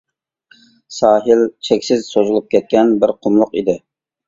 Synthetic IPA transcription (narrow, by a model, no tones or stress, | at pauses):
sɑːɦɪlt͡ʃʰekʲsɪzsozɨlˠup̚kʲɛt̪̚kʲɛnbɪɾqʰʊmlˠʊqḭd̪ɪ